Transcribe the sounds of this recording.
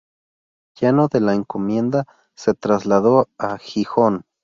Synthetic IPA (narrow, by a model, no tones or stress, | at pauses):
jenoðelaeŋkomjend̪a | set̪ɾazlaðoaxixon